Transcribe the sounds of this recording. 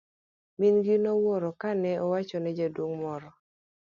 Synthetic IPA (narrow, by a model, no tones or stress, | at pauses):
minɡinɔwɔɾɔkanɛʔɔwat͡ʃɔnɛd͡ʒadwoŋmɔɾɔ